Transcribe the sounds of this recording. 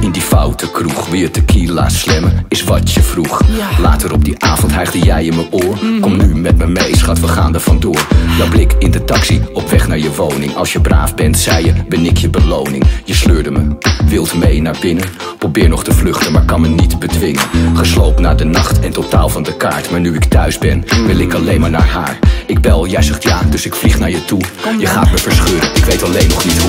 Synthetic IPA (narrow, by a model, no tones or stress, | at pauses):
ɪndifawtʰəkruχʋijətəkʰila̰ːtslɛmənɪsʋɑtjəfruχla̰ːtəɾɔb̚diʔaːvɔntɦɛχdəjɛjəməʊːɹkɔmnymɛt̚məmejsχɑtʋəχa̰ːndəɹv̥ɑndʊːɹdɑnblɪkɪndətɑksiɔpʋɛχnaːɹjəʋownɪŋɑ̰lˠsjəbra̰ːfbɛntsɛjjəbənɪkʰjəbəlownɪ̰ŋjəsløːɹdəməʋɪlˠtmejnaːɹbɪnən | prowbɪːɹnɔχtəvlɵχtənmaːɹkɑnmənitbədʋɪŋə̰nχəslowpnaːɹdənɑχtɛntotaːlˠvɑndəka̰ːɹtmaːɹnyɪktœɥzbɛnʋɪlˠɪkɑlejnmaːɹna̰ːɹɦa̰ːɹɪɡ̚bɛlˠjɛjzɛχtjaːdɵsɪkfliχnaːɹjətujəχa̰ːtməvəɹsχøːrənɪkʋejtɑlejnːɔχnitɦu